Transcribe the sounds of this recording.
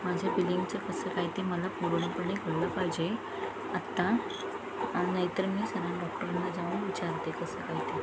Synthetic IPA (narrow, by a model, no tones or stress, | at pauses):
mad͡ʑʱebiliŋɡt͡səkəsəkaɦjt̪eməlapuɽɳ̃apəɳːeɡʱəɽlapajd͡ʑe | at̪ːa | anajt̪əɾmiːsəɾãɖɔk̚ʈəɾənːad͡zaʋəɳʋit͡ɕaɾt̪ekəsəkaɦjt̪e